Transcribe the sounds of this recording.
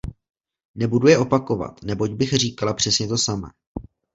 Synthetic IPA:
nɛbudujɛʔopako̞va̰t̪nɛbo̞ɟbɪxr̝iːkalapr̝̥ɛsɲɛt̪o̞samɛ̰ː

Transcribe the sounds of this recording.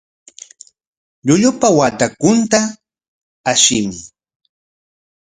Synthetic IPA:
ʎʊʎʊpawat̪akʊnt̪a | aʃɪmɪ

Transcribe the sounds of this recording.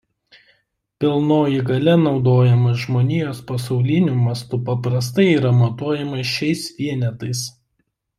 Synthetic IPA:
pʲɪlˠnoːjɪɡɐlʲɛnɒʊd̪oːjɛmɐʒmoːnʲɪjoːspɐsɒʊlʲɪnʲumɐst̪ʊpɐpɾɐs̬t̪ɐɪiːɾɐmɐt̪uɔjɛmɐʃʲɛɪsʋʲiɛnʲɛt̪ɐɪs

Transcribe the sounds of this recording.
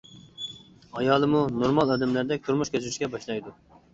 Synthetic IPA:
ɑjɑːlˠɨmunoɾmɑlˠɑd̪ɛmlæɾd̪ɛk̚ʲt̪ʰuɾmuʃkʲøzyɾyʃkʲɛbɑʃlˠɑjd̪u

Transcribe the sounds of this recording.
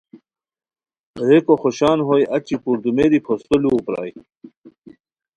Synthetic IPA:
ɾekoxoɕaːnɦojɐt͡ɕipuɾd̪umeɾipʰost̪oluːpɾɑ̰ːj

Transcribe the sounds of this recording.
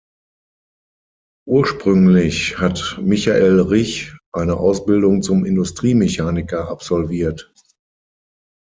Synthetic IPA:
ʔuːɐʃpʁ̥ʏŋlɪçhatmɪçaʔeːlʁɪçʔaɪnəʔaʊsb̥ɪldʊŋt͡sʊmɪndʊstʁ̥iːmeçaːnɪkɐʔapz̥ɔlviːɐt

